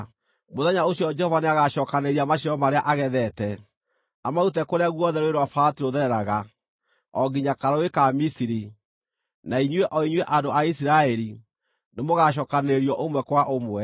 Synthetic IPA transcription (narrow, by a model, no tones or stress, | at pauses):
moðɛɲaoɕjɔd͡ʒɛhɔvaneaɣaʃɔːkaneɾiamaɕ̬iɾɔmaɾeaʔaɣɛðɛtɛ | amaut̬ɛkoɾeaɣwɔðɛɾweɾwafaːtiɾoðɛɾɛɾaɣa | ɔɡiɲakaɾaekamisiɾi | naiɲwɛʔɔiɲwɛʔadoʔaisiɾaɛɾi | nemoɣaʃ̬ɔːkaneɾiɔʔomwɛkwaʔomwɛ